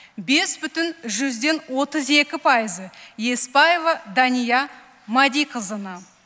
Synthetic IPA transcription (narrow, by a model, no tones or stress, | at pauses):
be̞sbʏt̪ɪnʒʏzd̪e̞nwo̞t̪əze̞kʲɪpʰɑjəzəje̞spɑjevɑd̪ɑnijɑ | mɑd̪ijqʰəzənɑ